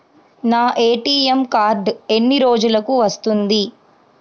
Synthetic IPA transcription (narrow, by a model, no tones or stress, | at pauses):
naːʔeːʈiːemkaːɾɖe̞nːiɾo̞ːd͡ʒulɐkuʋɐst̪und̪i